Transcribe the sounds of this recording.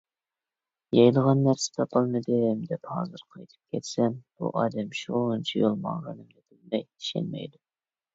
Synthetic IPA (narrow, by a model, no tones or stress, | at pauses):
jɑjlˠəʁɑnːæɾsɪ̥t̪ʰɑpʰɨlˠmɨd̪ɪmd̪ɛphɑ̰ːzɨɾqʰɑjt̪ʰɨ̥p̚kʲʰɛt̪sɛmb̥ṵʔɑːd̪ɛmʃunt͡ʃʰijolˠmɑ̰ŋʁɑnɨmd̪ɪb̪ɪlmɛj̪i̥ʃɛ̰nmɛ̰jd̪u